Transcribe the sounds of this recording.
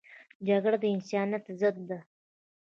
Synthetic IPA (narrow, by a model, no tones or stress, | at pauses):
d͡ʒaɡɽad̪əɪnsɑnjat̪zəd̪̚ːa